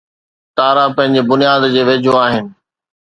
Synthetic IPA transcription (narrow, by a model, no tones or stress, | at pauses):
t̪aːɾapɐ̃ɦɪ̃ɲd͡ʑebʊnijaːd̪d͡ʑeːʋeːd͡ʑʱoaːɦɪnɪ̆